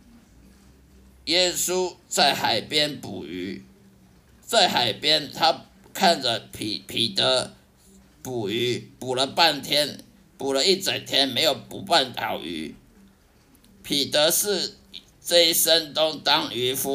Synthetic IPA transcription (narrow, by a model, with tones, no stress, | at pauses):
jɛ˥su˦t͡sa˥˩ɪxa˨˩ɪpjɛ˥npṵ˨˩y̰˧˥˦ | t͡sa˥˩ɪxa˨˩ɪpjɛ˥nt̪ʰa˦ | kʰa˥˨nd͡zə˩pʰi˨˩t̪ə˧˦ | pu˨˩y˧˥˦pu˨˩lə˦pa˥˨nt̪ʰjɛ˥n | pu˨˩lə˦i˥˩t͡sa˨˩ŋt̪ʰjɛ˥nme˧˥ɪjo˨˩ʊpṵ˨˥pa˥˩nt̪ʰɑ̰˨˩ʊy̰˧˥ | pʰi˨˩t̪ə˧˦ʂɻ̩˥˧ | t͡sə˥˩i˥sə˦nt̪ʊ˥ŋt̪ɑ˥ŋy˧˥fu˦